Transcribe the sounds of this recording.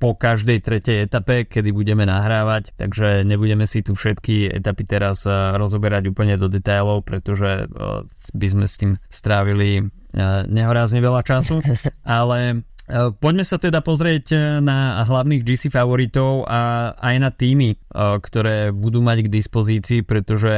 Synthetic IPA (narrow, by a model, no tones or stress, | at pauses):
pɔkaʒd̪ɛjt̪ɾɛcɛjɛt̪apɛkɛd̪ibuɟɛmɛnaɦɾaːʋact̪a̰ɡʒɛɲɛbuɟɛmɛsit̪ufʃɛt̪kiɛ̰t̪apit̪ɛɾazɾɔzɔbɛɾaɟuːpl̩ɲɛd̪ɔd̪ɛt̪ajlɔʊpɾɛt̪ɔʒɛ | bizmɛst̪iːmst̪ɾaːʋili | ɲɛɦɔɾazɲɛʋɛʎat͡ʃasuʔalɛ | pɔɟmɛsat̪ɛd̪apɔzɾɪɛɟnaɦlaʊniɣd͡ʒisifaʋɔɾit̪ɔʊʔaajnat̪iːmikt̪ɔɾɛːbud̪uːmaɟɡd̪ispɔziːt͡siːpɾɛt̪ɔʒɛ